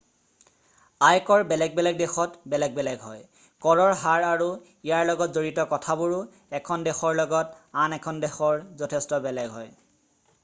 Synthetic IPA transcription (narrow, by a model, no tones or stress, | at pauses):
ajkɔɹbɛlɛɡ̚bɛlɛɡ̚dexɔtbɛlɛɡ̚bɛlɛɡɦɔ̰j | kɔɹɔɹɦaɹaɹu | ijaɹlɔɡɔtzoɹitɔkɔtʰabuɹ | ɛkʰɔndɛxɔɹlɔɡɔtanɛkʰɔndɛxɔɹzɔtʰestɔbɛlɛɡɦɔj